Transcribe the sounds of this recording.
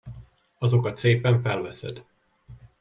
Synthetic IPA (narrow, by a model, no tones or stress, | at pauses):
ɒzo̞kɒt̪seːpɛɱfɛlvɛsɛ̰d̪